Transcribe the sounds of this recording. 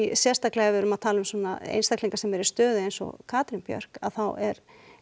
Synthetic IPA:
sjɛst̪aklɛɣavɛɾʏmaðt̪ʰaːlʏmsɔːna̰ḛjnst̪akliŋkasɛmɛɾɪst̪œːðʏejnsɔ̰kʰaːt̪ɾinpjœ̰ɾ̥ka̰ðθawɛɾ

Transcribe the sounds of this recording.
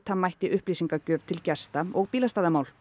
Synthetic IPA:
t̪hamːajht̪ɪʔʏhplisiŋkacœːvt̪ʰɪlcɛst̪aɔɣpiːlast̪aːðamaːwl

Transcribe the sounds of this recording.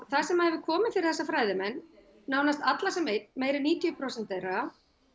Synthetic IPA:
θasɛmaðhɛvɪkʰɔːmɪnfɪɾɪ̥θɛsafɾaːjðɪmɛnː | aːwnast̪at̪lasɛmejt̪meːjɾɪniːt̪ʰjʏʏpʰɾɔwsɛnt̪eɾa

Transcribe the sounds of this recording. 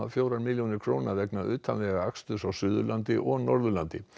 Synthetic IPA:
afjowɾaɾmɪljonɪkʰɾoːwnaðɛknaʏːt̪ʰanlɛɣaakst̪ʏsawsʏːðʏlant̪ɪʔɔɣnɔɾðʏlant̪ɪ

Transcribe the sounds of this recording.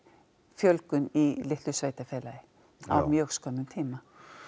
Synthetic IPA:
fjœlkʏnilɪht̪lʏsvejt̪afɛːlajɪ | a̰wmjœːxskʰɔnːʏmt̪ʰiːma

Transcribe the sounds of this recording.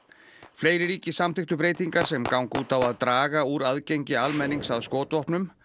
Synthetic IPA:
fleːjɾɪɾiːcɪsamt̪ʰɪht̪ʏpɾeːjt̪iŋkaɾ̥sɛmkawŋkuːt̪avaðt̪ɾaːɣauɾaðcejɲcɪalmɛnːiŋsaðskɔːt̪vɔhpnʏm

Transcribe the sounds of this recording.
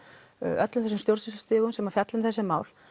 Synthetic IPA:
œt̪lʏmθɛsʏmst̪jowɾsɪsʏst̪ʏːɣʏmsɛmafjat̪lʏmθɛsːɪmaːwl

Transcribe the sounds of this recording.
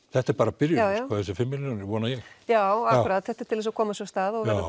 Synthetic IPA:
θɛht̪aɛɾpaːɾapɪɾjʏaːjavaθɛs̬ɪfɪmːɪlunɪɾʋɔːnajɛxjaːwakːɾaːt̪θɛht̪aɾ̥t̪ʰɪlɛs̬ɔkʰɔːmasɔst̪aːðɔɣɛɾɾ

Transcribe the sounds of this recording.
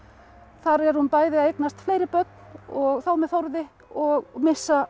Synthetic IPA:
θaɾɛɾ̥hunpaːjðɪaejknast̪flejɾɪpœt̪̚nɔɣθawmɛðθowɾðɪ | ɔɣmɪsːa

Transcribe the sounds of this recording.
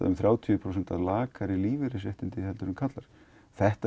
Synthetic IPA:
a̰ðʏmθɾjaːwt̪ʰiʏpʰɾows̬ɛnt̪aðlaːkaɾɪliːvɪɾɪsɛht̪ɪnt̪ɪɛlt̪ʏɾʏmkʰat̪laɾ̥ | θɛht̪a

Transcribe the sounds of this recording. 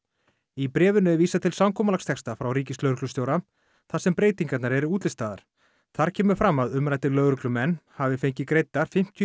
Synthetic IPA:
ipɾɛːvʏnʏviːsat̪ʰɪlsawmkʰɔːmalakst̪ʰɛkst̪afɾawɾiːcɪslœːɾʏklʏst̪jowɾa | θasɛmpɾeːjt̪iŋkat̪naɾɛɾɪuːt̪lɪst̪aːða̰ɾ̥ | θaɾ̥cʰɛːmʏɾ̥fɾamːaðʏmɾajt̪ɪlœːɣɾʏklʏmɛnːhavɪfejɲcɪkɾejt̪ːaɾ̥fɪm̥t̪ʰ

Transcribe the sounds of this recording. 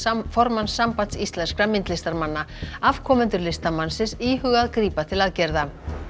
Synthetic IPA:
fɔɾmansːampat̪sist̪lɛnskɾamɪnt̪lɪst̪aɾmanːaav̥kʰɔmʏnt̪ʏɾlɪst̪amansɪsiːɦʏɣaðkɾiːpat̪ʰɪlaðcɛɾða

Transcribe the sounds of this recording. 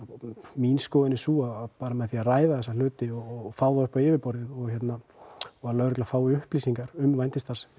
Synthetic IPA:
minskɔːðɪnɪsuːaapaːɾamɛðθiaðraːjðaθɛsal̥ʏːt̪ɪɔfaːwðaʏhpawɪːvɪɾpɔɾðɪɔɣçɛt̪naɔɣaðlœɥɾɛklafaːwɪʏhpliːsiŋkaɾʏmvajnt̪ɪst̪aɾ̥s

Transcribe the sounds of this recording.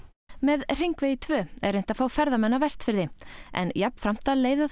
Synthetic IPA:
mɛðr̥iŋkveːjɪt̪ʰvœːɛ̰ɾejn̥t̪afaːwfɛɾðamɛnːavɛst̪fɪɾðɪʔɛ̰njapn̥fɾam̥t̪aðleːjða

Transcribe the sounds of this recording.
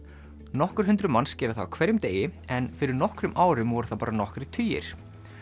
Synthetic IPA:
nɔhkʏɾ̥ɦʏnt̪ɾʏmanscɛːɾʏθakʰvɛɾjʏmt̪eːjɪɛnfɪɾɪɾnɔhkɾʏmʔaːwɾʏmvɔɾʏθapaːɾanɔhkɾɪt̪ʰyːjɪ̰ɾ̥

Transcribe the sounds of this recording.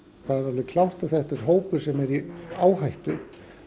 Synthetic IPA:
θaðɛɾalvɪkʰlawht̪aθɛht̪aɛɾ̥ɦoːwpʏ̥sɛmɛɾiaːwɦajht̪ʏ

